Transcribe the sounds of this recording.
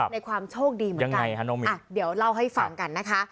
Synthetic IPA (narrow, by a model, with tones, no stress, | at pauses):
na˧jkʰwaː˧mt͡ɕʰoː˥˩k̚diː˧mɯ˩˦a˧ŋ˦kaa˧ja˦˥nɔ˧˩ŋmi˧a˧˨˩di˩˦əwla˥˩wɦa˥˩jfa˧ŋka˧nːa˦˥kʰa˦˥